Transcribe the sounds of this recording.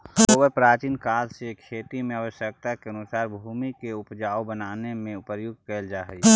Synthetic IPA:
oːbəɾpɾaːt͡ʃiːnkaːlsekʰeːt̪imẽəʋəʃjək̚t̪akeənʊsaːɾbʱuːmikeʊpd͡ʒaːobənaːnemẽʊpəɾjʊɡkɛld͡ʒaːɦəi

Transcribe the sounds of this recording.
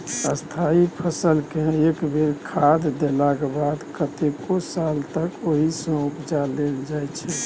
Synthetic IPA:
əst̪ʰaipʰəsəlkeekbeɾkʰad̪d̪elaɡebad̪kət̪ekosalt̪əkoɦisə̃ukd͡ʒaleld͡ʒajt͡ʃʰɛ

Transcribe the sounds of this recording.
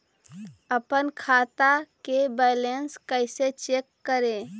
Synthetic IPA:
əpənkʰat̪akebəjlenskəɪset͡ʃekːəɾe

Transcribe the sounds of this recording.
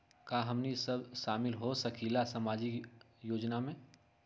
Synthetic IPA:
kaːɦɐmnisɐbʃaːmɪlɦosɐkʰilasɐmaːd͡ʒi | joːd͡ʒnamẽ

